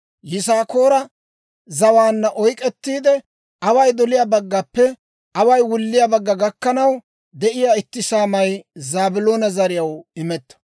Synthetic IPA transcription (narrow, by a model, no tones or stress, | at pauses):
jɪsaːko̞ːɾɐ | zɐwaːnːɐʔɔjkʼɛt̪ːiːd̪ɛ | ʔɐwɐjd̪ɔlɪjaːbɐɡːɐpːɛ | ʔɐwɐjwʊlːɪjabɐɡːɐɡɐkːɐnɐw | d̪ɛʔɪjaːɪt̪ːɪsaːmɐjzaːbɪlo̞ːnɐzɐɾɪjɐwɪmɛt̪ːɐ̥